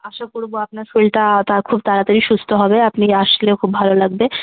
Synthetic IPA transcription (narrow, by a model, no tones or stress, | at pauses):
aʃakoɾboapnaɾfelʈat̪akʰub̚t̪aɾat̪aɾiʃust̪ʰoɦɔbeapniaʃleokʰubbʱalolaɡ̚be